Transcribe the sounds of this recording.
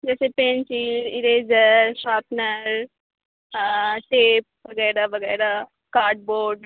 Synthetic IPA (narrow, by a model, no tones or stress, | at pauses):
d͡ʒɛːsepẽːnt͡ʃilɪɾeːd͡ʒəʃaːpnəɾ | ʈeːp̚bɐɡɛːɾabɐɡɛːɾa | kaːɾɖ̚boːɾɖ